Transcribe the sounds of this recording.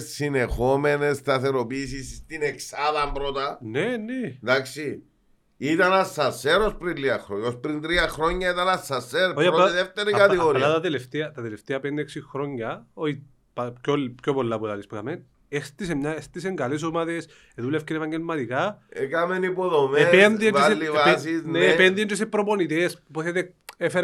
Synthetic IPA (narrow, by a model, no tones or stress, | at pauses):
sːinexomenest̪ɐθeɾopiːs̬isst̪ineksaðɐmbɾot̪ɐnened̪aksi | it̪ɐnasɐseɾospɾiɾiɐxɾoospɾint̪ɾiɐxɾoɲːɐit̪ɐnɐsɐseɾoɐɾoaiðeft̪eɾikɐt̪iɣoɾilːat̪ɐt̪eleft̪eɐt̪ɐt̪eleft̪eɐpeneksixɾoɲːɐoi | pcolːipcopolːɐpuðɐlispkɐmen | est̪is̬emɲaest̪is̬eŋɡɐles̬omaðes | eðulefkinevɐɲɡelmɐt̪ikaekamenipoðomepenðieniselːivasinepenðient̪is̬epɾoponit̪espoθet̪e | efeɾ